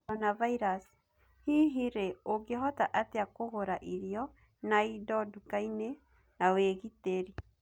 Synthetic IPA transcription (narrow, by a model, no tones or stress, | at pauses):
ɔnavaiɾas | hiɦiɾeoɡeɦɔtaʔateakoɣoɾaʔiɾjɔ | naidɔdukaine | naweɣiteɾi